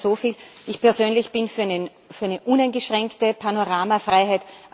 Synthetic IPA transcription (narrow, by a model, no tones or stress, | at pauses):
soːfiːlʔɪçpʰɛɐzøːnlɪçb̥ɪnfyɐ | fyɐæɪnəʔũnaɪnɡəʃʁ̥ɛŋktəpʰanoʁaːmafʁaɪɦæɪtʔ